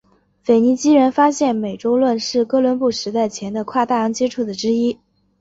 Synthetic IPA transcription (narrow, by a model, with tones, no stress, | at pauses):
fe˨˩ɪni˧˥t͡ɕi˥ɻə˧˥nfa˥ɕjɛ˥˩nme˨˩ɪʈ͡ʂo˥ʊlwə˥˧nʂɻ̩˥˩kɤ˥lwə˧˥npu˥˩ʂɻ̩˧˥t̪a˥˩ɪt͡ɕʰjɛ˧˥nd̪ə˧kʰwa˥˧t̪a˥˩jɑ˧˥ŋt͡ɕjɛ˥ʈ͡ʂʰu˥˩d̪ə˩ʈ͡ʂɻ̩˥i˥